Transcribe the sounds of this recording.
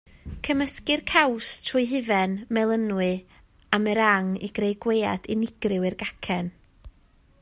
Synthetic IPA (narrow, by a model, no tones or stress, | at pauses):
kʰəməskɨrkʰawstʰrʊjɦɨvɛnmɛlˠənwɨ | amɛɾaŋḭɡ̥rejɡweja̰d̥ɪnɪɡ̥rɪwɪrɡakʰɛn